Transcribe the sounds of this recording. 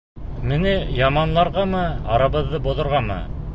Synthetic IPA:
mɘnɘjɑmɑnlˠɑɾʁɑmɤɑɾɑβɤ̆ðːɤbŏðŏɾʁɑmɤ̰

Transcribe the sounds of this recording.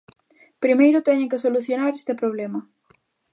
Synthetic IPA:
pɾimejɾʊt̪ɛɲɪŋkɪsoluθjonaɾest̪ɪpɾoβ̞lɛmɐ

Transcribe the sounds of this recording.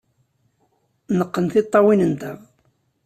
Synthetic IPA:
nəqːənθɪt̪ˤːɑwinənt̪əʁ

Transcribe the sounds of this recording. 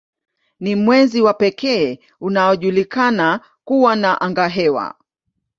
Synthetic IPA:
nimwɛziwapɛkɛː | unaɔʄulikana | kuwanaʔaŋɡaɦɛwa̰

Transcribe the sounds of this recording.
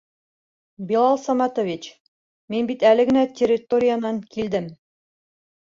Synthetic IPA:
bilˠɑlˠsɑmɑt̪ovʲit͡ɕ | minbit̪ælɘ̆ɡɘ̆nætʲʰerʲːɪt̪oɾʲɪjanɑŋkild̪ɘm

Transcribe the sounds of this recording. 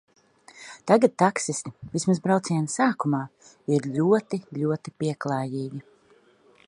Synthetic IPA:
t̪aɡat̪̚t̪aksist̪ivismazbɾawt̪siɛnsaːkumaː | iɾlʲuɔt̪iʎʲuɔt̪ipiɛklˠaːjiːɡʲi

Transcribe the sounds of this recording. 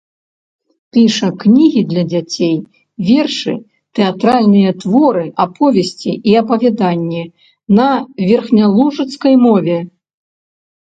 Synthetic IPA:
pʲiʂɐknʲiɣʲid̪lʲɐd͡zʲat͡sʲej | vʲɛrʂɨ̰ | t̪ɛat̪ɾalʲnɨjɐt̪vɔɾɨʔapʰɔvʲesʲt͡sʲiʔiɐpɐvʲad̪anʲːɛ | nɐvʲɛrxnʲalˠuʐɨt̪skɐjmɔvʲɛ

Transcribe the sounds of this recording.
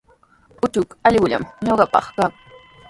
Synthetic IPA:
ʊt̪ʊkɑʎɢʊʎa̰mɲoɢɑpɑ̰χkaŋ

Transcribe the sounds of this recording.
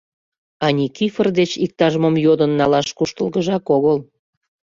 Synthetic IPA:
ɑnʲikifərd̪et͡ɕik̚t̪ɑʒəməmjod̪ənːɑlɑʃkuʃt̪əlɣəʒɑkoɣəl

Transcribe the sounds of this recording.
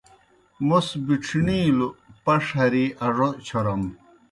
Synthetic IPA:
mosbiʈ͡ʂʰniːlupɐʂhɐɾiʔɐʐot͡ɕʰoɾɐm

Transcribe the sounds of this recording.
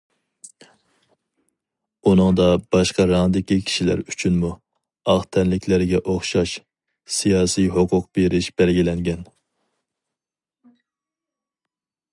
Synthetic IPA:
unɨŋd̪ɑb̥ɑʃqɑɾɑnɨd̪ɪkʲikʲʰi̥ʃilæ̰ɾyt͡ʃʰynmu | ɑʁt̪ʰɛnlɪkʲʰlɪɾɪɡʲɛʔoχʃɑʃ | sijɑːsijɦʊqʰʊqb̥eɾɪʃb̥ɛlɡʲilɛŋɡʲɛn

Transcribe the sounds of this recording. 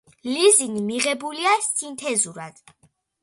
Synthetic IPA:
lizinimiʁɛbuliasint̪ʰɛzuɾad̪̥

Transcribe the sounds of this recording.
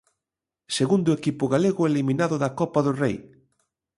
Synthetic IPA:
seɣund̪ʊekipʊɣaleɣʊeliminaðʊðɐkɔpɐðʊrej

